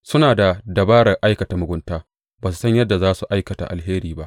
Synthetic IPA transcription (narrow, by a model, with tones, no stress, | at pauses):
sʊ˦naː˨da˨dɐ˨baː˦ɽɐ˨ʔa˦jkɐ˨ta˨mʊ˨ɡʷʊ˦ntaː˦ | baː˨s̬u̥˨sɐ˦ɲjɐ˦dːa˨zaː˦su˨ʔa˦jkɐ˨ta̰˨ʔa˨lheː˦ɾiː˨ba˦ʔ